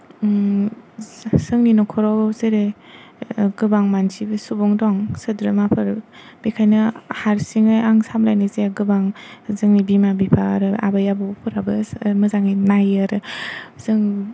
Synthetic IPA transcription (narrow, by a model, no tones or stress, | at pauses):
sɯŋninɔkʰɔɾɔazɯɾe | ɡɯbaŋmansibɯsubɔŋdɔŋsɯdɾɯmapʰɯɾb̥ikʰajnɯhaɾsiŋajaŋsamlajnɯzeɡɯbaŋzɯŋnibimabipʰa̰ɾɯa̰bajabɯpʰɯɾabɯmɯzaŋinajaɾɯz̥ɯŋ